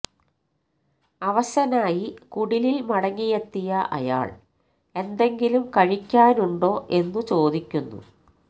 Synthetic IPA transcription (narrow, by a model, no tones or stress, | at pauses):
ɐʋɐɕɐnaːjikuɽililmɐɽɐŋːijet̪ːijɐʔɐ̰ja̰ːɭ | e̞nd̪e̞ŋɡilumkɐɻikʲːaːnuɳɖo̞ːʔe̞nːut͡ɕo̞ːd̪ikʲːunːṵ